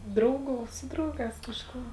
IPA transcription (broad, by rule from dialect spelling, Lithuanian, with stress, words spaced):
ˈdrɐʊˌɡuː ˈsʊ drɐʊˌɡɑːs kɐʃˈkuː